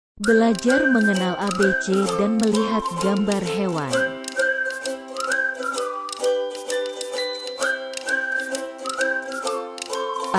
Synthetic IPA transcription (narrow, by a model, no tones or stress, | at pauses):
bəlad͡ʒarməŋənalʔabet͡ʃedanməliɦat̪̚ɡambarɦewan